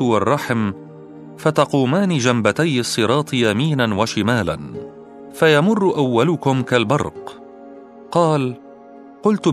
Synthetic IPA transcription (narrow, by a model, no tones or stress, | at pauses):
wɑrˤːɑħm | fat̪ɑquːmaːnid͡ʒambat̪ajːɨsˤːɨɾˤɑːt̪ˤjamiːnanwaʃɪmaːla̰n | fajamʊrːʔawːalʊkʊmkalbɑɾˤq | qɑːl | qʊlt̪